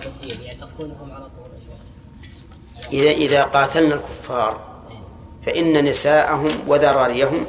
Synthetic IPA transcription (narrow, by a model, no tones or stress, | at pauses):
ʔʔɪðaːqɑːt̪ʰalnalkʊ̥fːɑːɾˤ | faʔɪnːanɪsaːʔaɦʊmwaðɑɾˤɑːɾɪjːaɦʊm